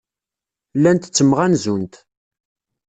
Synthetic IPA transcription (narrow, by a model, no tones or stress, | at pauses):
lːænt̪t͡sːəmːʁænzunt̪